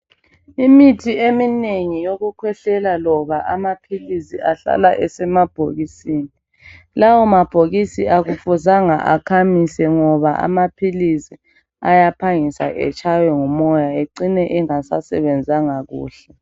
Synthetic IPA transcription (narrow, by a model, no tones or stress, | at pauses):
imitʰiemineŋijoɣukʰwɛɬɛlalɔβaʔamapʰilisiaɬa̰laʔɛsɛmab̥ʱo̰ɣisiːni | lawɔmab̥ʱoɣisiʔaɣufuzaŋa̰ʔakʰamisɛŋɔβaʔa̰mapʰilisi | ajapʰaŋisa̰ʔɛ̰t͡ʃʰʼajɔŋumɔjaeǀinɛʔɛŋasasɛ̰βɛnd͡zʱaŋaɣṵːɬɛ